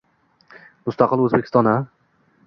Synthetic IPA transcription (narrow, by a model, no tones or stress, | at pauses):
mʊst̪aqɨlˠɵzbekʲʰɪst̪ɒna